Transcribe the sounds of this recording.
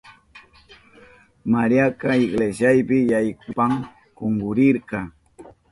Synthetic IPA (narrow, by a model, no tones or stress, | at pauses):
maɾjakaɪɡleʃjajpɪjajkʊpaŋ | koŋɡʊɾɪɾkɑ